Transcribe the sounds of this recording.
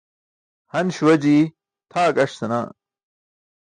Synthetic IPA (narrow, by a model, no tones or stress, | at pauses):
hɐnɕwɐd͡ʑiː | t̪ʰaːkɐʂsɐna̰ː